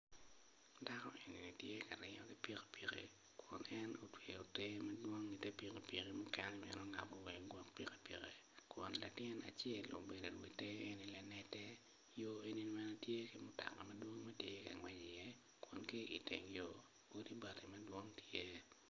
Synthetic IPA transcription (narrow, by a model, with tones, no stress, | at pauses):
da˦kɔ˦ʔe˨ni˨ni˨tje˦ka˨ɾɪ˦ŋɔ˦ki˦pi˦ke̥˨pi˨kḭ˨ | kʰʊ˨nɛ˦no˨twe˨o˨te˦mɛ˦dwo˦ŋi˨te˦pi˨ki˨pi˨ki˦mʊ˦kɛ˦nɛ˦mḭ˦nɔ˦ŋa̰˨bo˦˨wɛ˨ɡwɔ˦kpi˦ke̥˦pi˨ke˨ | kʊ˨nla˨tɪ˦na̰˨t͡ʃɛ˦˨lo̰˨be˨de˨lwi˨te˦jo˦e˨ni˨lɛ˦nɛ˦tɛ˦ | jo˦e˨ni˨n˨mɛ˦no˦tje˦ki˦mʊ˦ta̰˨kɔ˨mɛ˦dwo˦ŋmɛ˦tje˦ka˨ŋwɛ˦ɲi˨jɛ˦ | kʊ˨nki˦i˨tḛ˨ŋjo˦ | o˦di˦ba˨ti˨mɐ˦dwo˦ŋtje˦